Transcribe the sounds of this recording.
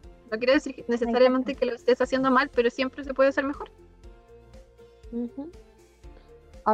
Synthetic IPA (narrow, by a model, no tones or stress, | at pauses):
nok̬jeɾoðesiɾkenes̬esaɾjament̪ekeloest̪estasjend̪omalpeɾo̞sje̞mpɾes̬epwe̞ðeaseɾmexo̞ɾ | hm̩ | a